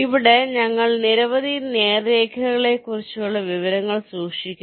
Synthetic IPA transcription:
iʋiɽeɲɐŋːɐɭniɾɐʋɐðineːreːkʰɐɣɐɭe̞kːurit͡ɕːuuɭːɐʋiʋɐɾɐŋːɐɭsuːkʂikʲːu

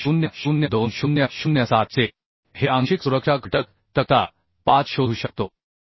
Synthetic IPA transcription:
ɕunjəɕunjəd̪onɕunjəɕunjəsat̪̚t͡se | heʔãŋɕiksuɾəkʂaɡʱəʈək | t̪ək̪a | pat͡sɕouːɕək̚t̪o

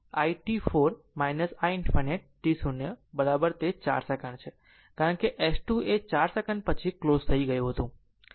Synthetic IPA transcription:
aiʈifoɾ | majnəsainfʰaneʈ̚ːisunəbəɾabəɾt̪et͡ʃa̰ɾsəkəɳt͡ʃʰe | kaɾəɳkeʔesʈuet͡ʃaɾsəkəɳɖ̚pət͡ʃʰiklozt̪ʰəiɡəjũɦət̪ũ

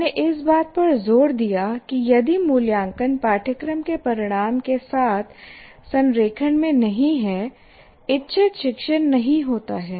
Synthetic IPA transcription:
neʔɪsbaːt̪̚pɐɾzoːɾd̪ijakijɐd̪imuːljãːŋkənpaːʈʰəkɾəmkepɐɾɪɽ̃aːmkesaːt̪ʰ | sɐ̃nɾeːkʰəɽmẽnɐɦĩɦɛ | ɪtːʃʰeʃɪkʃənnɐɦĩɦoːt̪aɦɛː

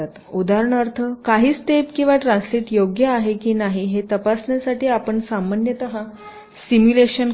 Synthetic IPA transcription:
at̪ud̪aɾəɳ̃əɾt̪ʰəkaɦiːt͡st̪epkĩw̃ʋaʈɾãnsliʈjoɡjəaɦekiːnaɦiɦet̪əpasɳjasaʈiːapəɳsamanjət̪əɦã | simjuleɕən

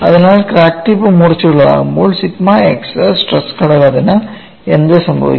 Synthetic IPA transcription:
ɐðɐnaːlkɾaːk̚ʈipːɨmʊrɐt͡ɕːiuɭːɐʋa̰ːɣumboːlsɪtmaːekssʈrɐskɐɽɐɣaːðɐnɐ | end̪ɯsɐmbʱɐ̰ʋḭkː

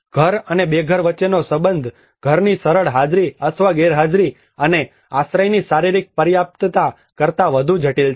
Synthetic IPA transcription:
ɡ̥ʱəɾənebeɡʱəɾʋətːt͡ʃːenosəbənd̪ʱ | ɡ̥ʱəɾnisəɾəɭɦad͡ʒɾiət̪ʰʋaɡeɾɦad͡ʒɾi | əne | asɾəjnisaɾiɾik̚pəɾjap̚t̪t̪a | kəɾt̪aʋəd̪ʱũd͡ʒʱəʈilt͡ʃʰ

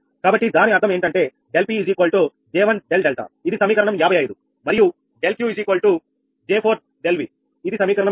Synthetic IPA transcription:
kaːbɐʈːid̪aːniɐɾd̪ʰɐme̞ːɳʈɐɳʈe̞ː | ɖelpiːd͡ʒiːkoːlʈoː | d͡ʒɛːʋɐnɖelɖelʈa̰id̪isɐmiːkɐɾɐɳɐmjaːbʱɐjɐjɐd̪u | mɐɾiju | ɖelkjuːid͡ʒiːkoːlʈu | d͡ʒeːpʰoːɾt̪̚ɖelʋi | id̪isɐmiːkɐɾɐɳɐ

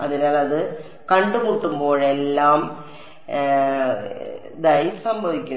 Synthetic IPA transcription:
ɐðinaːlɐðɨ | kɐɳɖumuːʈːumbo̞ːɻe̞lːaːm | d̪ɐjsɐmbʱɐʋikʲːu

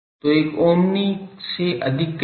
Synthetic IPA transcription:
t̪oekoːmniseʔɐd̪ʱikː

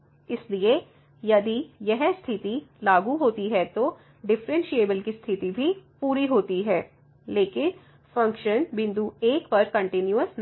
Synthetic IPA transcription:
ɪslie | jɐd̪ijɛɦst̪ʰɪt̪ilaːɡuɦoːt̪iɦɛt̪o | ɖɪfɾɛ̃nʃieːbəlkist̪ʰɪt̪ibʱipuːɾiɦoːt̪iɦɛː | leːkɪn | fɐ̃ŋkʃənbɪ̃nd̪ueːkpɐɾkɐ̃ɳʈɪnjuəsn

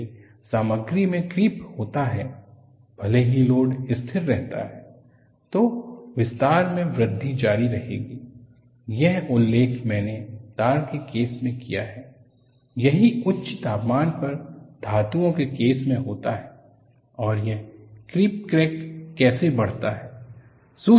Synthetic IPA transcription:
saːməɡɾimẽkɾiːphoːt̪aɦɛː | b̥ʱɐleɦiloːɖɪst̪ʰɪɾːɛɦt̪a̰ɦɛː | t̪oːʋɪst̪aːɾmẽʋɾɪd̪ʱːid͡ʒaːɾiɾɐɦḛːɡiː | jɛɦʊlːeːkʰmɛ̃ːnet̪aːɾkekeːsmẽkija̰ɦɛː | jɐɦiʊtːʃʰt̪aːpmaːnpɐɾd̪ʱaːt̪ũõkekeːsmẽɦoːt̪aɦɛː | ɔːɾjɛɦkɾiːp̚kɾeːkːɛːsebɐɽ̤t̪aɦɛː | su

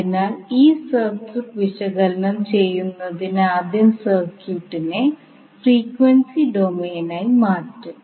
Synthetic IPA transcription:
inaːliːsɐrsɨkʋiɕɐɣɐlnɐmt͡ɕejːunːɐðinaːd̪ʱjɐmsɐrkʰjuːʈːine | friːkʋeɳsiɖo̞meːnaːjimaːʈːɨ

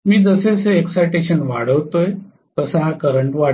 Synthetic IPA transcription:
miːd͡zəseseeksajʈeɕənʋa̰ɽ̤əʋt̪oj | t̪əsəɦakəɾəɳʈʋaɽ

